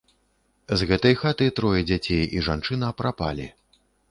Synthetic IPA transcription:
zɣɛt̪ɐjxat̪ɨjt̪ɾɔjɛd͡zʲat͡sʲejiʐant͡ʂɨnɐɐpɾʔapa̰lʲḭ

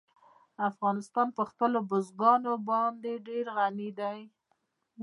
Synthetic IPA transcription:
afɣɑnɪst̪ɑnpəxpəlobozɡɑnobɑnd̪eɖeɾɣanid̪aj

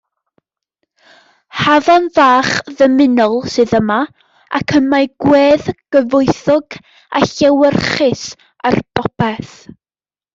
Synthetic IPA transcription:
havɔnvaːχðəmɪnɔlˠsɨðəma | ʔa̰kʰəmajɡ̥weːðɡ̥əvʊɨθɔɡ̥ | a̰ɬɛwərχɪs | arb̥ɔb̥ɛθ

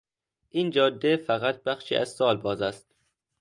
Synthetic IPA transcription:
ʔiːnd͡ʒɒːd̪efæɣæt̪̚b̥æxʃḭːʔæ̰zsɒːlbɒːzæst̪̚

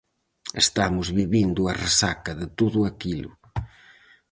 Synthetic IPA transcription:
ḛst̪amʊzβiβind̪ʊɐresakɐðɪt̪oðʊakilʊ̰

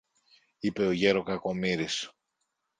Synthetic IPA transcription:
ipe̞o̞ʝe̞ɾo̞kɐko̞miɾis

